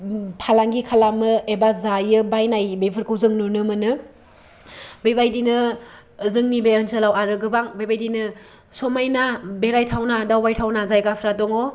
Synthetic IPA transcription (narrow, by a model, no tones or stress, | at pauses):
pʰalaŋɡikʰalamɯebazajɯbajnajbepʰɯɾkʰuwzɯŋnunɯmɯnɯ | bejbajdinɯ | zɯŋnibeɯnsɯlawaɾɯɡɯbaŋbejbajdinɯ | somajnabeɾajtʰawnadawbajtʰawnazajɡapʰɾatɔŋo